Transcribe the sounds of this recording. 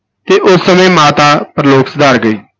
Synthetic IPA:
t̪eːʔʊsːəmẽːmaːt̪aːpɾəloːksəd̪aːɾɡəiː

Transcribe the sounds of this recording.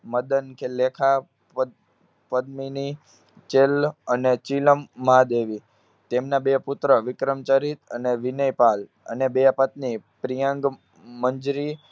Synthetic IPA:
məd̪ənkʰelekʰa | pəd̪mini | t͡ʃelənet͡ʃiləmːãd̪eʋi | t̪emnabeput̪ɾəʋɪkɾəmt͡ʃaɾit̪əneʋinəjpal | ə̰nebepət̪̚nipɾijəŋɡ | məɲd͡ʒɾi

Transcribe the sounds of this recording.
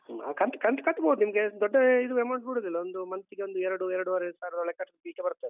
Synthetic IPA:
a̰kɐnt̪kɐnt̪kɐt̪ːbowd̪unimɐɡed̪ɔɖːɐid̪uɛmɐwɳʈbuɽulilːɐond̪umɐnsiɡeond̪uɛɾɐɽuɛɾɐɽuʋaɾesaːɾɐd̪ɔɭɛkːɐʈːbiːkebɐɾut̪ːe

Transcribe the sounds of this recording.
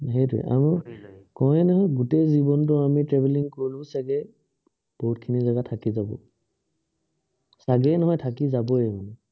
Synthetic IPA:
ɦejtuɛ̰ʔa̰mɔkɔɛnɔɦɔjɡutezibɔntʊamitɹɛbɛliŋkɔɹilʊ̃saɡɛ | b̥oɦutkʰinizaɡatʰakizabɔ̰ | saɡɛnɔɦɔjtʰakizabɔɛmanɛ

